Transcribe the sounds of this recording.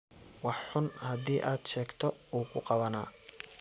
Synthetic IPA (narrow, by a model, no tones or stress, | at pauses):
wɑħħʊnhɐðiːʔaːd̪ʃɛːɡt̪ʰɔuːkʰʊqɑβɐna̰ː